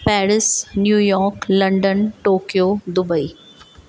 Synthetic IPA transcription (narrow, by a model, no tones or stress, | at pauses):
pɛːɾɪsnjuːjɔːɾklɐ̃ɳɖənʈoːkijoːd̪ʊbəiː